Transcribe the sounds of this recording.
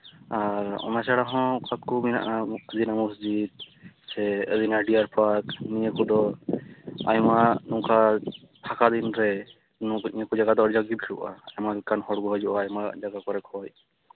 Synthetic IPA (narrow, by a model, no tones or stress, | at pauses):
aɾɔ̰nat͡ʃaɽaɦɔ̃kʰat̪̚kumina̰ʔaəd̪inamusd͡ʒid̪̚sɛəd̪inaɖiaɾpʰaɾkniɲəkɔd̪ɔ | a̰jmanũka | p̪ʰakad̪inɾɛ | nukiəkɔd͡ʒaɡad̪ɔʔɔɽd͡ʒaɡibiluʔa̰ajmalkanhɔɽɡɔɦɔd͡ʒɔʔaajmad͡ʒaɡakɔɾɛkʰɔj